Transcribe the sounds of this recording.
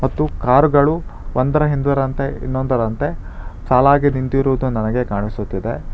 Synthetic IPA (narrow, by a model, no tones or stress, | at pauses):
mɐt̪ːukaːɾuɡɐɭuʋɐnd̪ɐɾɐɦind̪ɐɾɐnt̪e̞ḭnːond̪ɐɾɐnt̪e̞ | saːlaːɡinint̪iɾuʋud̪unɐnɐɡe̞kaːɳisut̪ːid̪e̞